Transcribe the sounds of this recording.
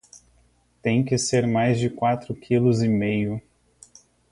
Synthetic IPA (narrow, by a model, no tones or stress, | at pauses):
t̪ẽj̃kɪseɾmajzd͡ʒɪkwat̪ɾʊkʰilʊzɪmejʊ